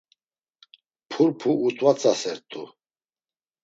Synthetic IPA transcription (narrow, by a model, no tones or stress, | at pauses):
pʰuɾpʰuʔːt̪ʼwat͡sʼasɛɾt̪ʼu